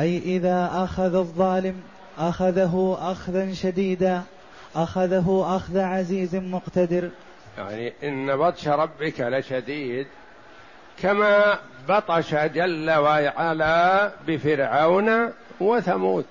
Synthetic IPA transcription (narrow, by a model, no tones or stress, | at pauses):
ʔajʔɪðaːʔaxaððˤːɑːlɪm | ʔaxaðaɦʊʔaxðanʃad̪iːd̪aː | ʔaxaðaɦʊʔaxðaʕaziːzmʊqt̪ad̪ɪɾ | ja̰ʕniʔɪnːabɑt̪ˤʃɾˤɑbːɪkʕalaʃad̪iːd̪ | kamaː | bɑt̪ˤɑʃad͡ʒalːawaʕalaːbɪfɪɾʕawnawaθamuːt̪